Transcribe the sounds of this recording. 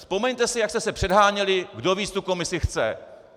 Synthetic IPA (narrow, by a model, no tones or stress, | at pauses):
spo̞mɛɲt̪ɛsɪjakst̪ɛsɛpr̝̥ɛdɦaːɲɛlɪɡdo̞viːt͡st̪uko̞mɪsɪxt͡sɛ̰